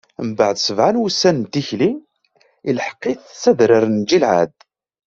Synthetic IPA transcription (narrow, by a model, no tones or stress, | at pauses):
mbaʕd̪səvʕanwusːænnt̪içli | ilħə̥qːiθsæðɾəɾnd͡ʒilʕa̰d̪